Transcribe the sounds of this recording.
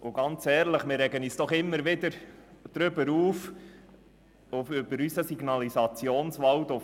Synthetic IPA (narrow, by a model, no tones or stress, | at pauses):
ʔʊɡɑnt͡sɛːɾləχmɪɾɛɡənyːsd̥ɔχɪmːəɾʋɪd̪əɾd̥ɾʏbəɾuːf | ʊfʏb̥əɾysəsiɡnɑlisɑt͡sjoːnsʋɑwt̪ʊ